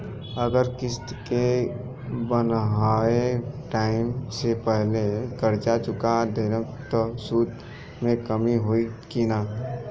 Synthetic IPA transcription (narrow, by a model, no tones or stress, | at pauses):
əɡəɾkɪst̪ke | bənɦaeʈaːɪmsepəɦlekəɾt͡ʃat͡ʃʊkad̪eɾə̃k | t̪ɔsuːd̪ | mẽkəmiɦoikina